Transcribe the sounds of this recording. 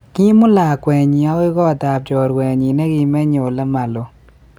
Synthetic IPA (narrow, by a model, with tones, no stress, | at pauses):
ki˦mʊ˦la˨kwɛ˨ɲi˨a˦ɪ˦ɡɔ˦˨t̪a˨b̚t͡ʃɔ˨ɾkwɛ˨ɲi˨nɛ˦ɡɪ˦mɛ˦ɲo˨lɛ˦ma˨lo˨˦